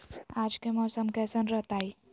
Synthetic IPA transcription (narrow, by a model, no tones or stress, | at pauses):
ad͡ʒkemɔːsəmkɛsənɾəɦt̪aj